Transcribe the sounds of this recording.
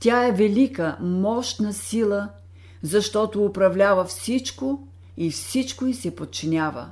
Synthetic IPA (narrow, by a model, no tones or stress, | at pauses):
tʲaɛvɛlikəmɔʃt̪nɐsilˠə | zɐʃt̪ɔt̪oːpɾɐvlʲavəfsit͡ʃko | ifsit͡ʃkoisɛpot̪̚t͡ʃinʲavə̰